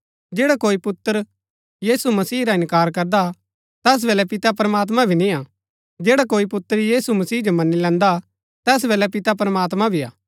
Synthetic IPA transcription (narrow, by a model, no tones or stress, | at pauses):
d͡ʒeːɽakoːipʊt̪ːəɾ | jiːsumɐsiːɾaɪ̃nkaːɾkɐɾd̪a | t̪ɛːs̬beːlɛpɪt̪ap̬ɾəmaːt̪̬mãbʱinĩa | d͡ʒeːɽakoːipʊt̪ːəɾjiːsumɐsiːd͡ʒomɐnːilɛ̃ːnd̪a | t̪ɛːs̬beːlɛpɪt̪ap̬ɾɐmaːt̪mãbʱia̰ː